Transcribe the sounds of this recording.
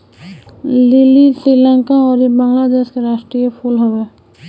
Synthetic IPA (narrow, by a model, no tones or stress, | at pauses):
lɪlisɾiːlɛ̃ŋkaɔːɾjebə̃ŋɡlad̪eːʃkeɾaːʃʈɾijepʰulɦoweː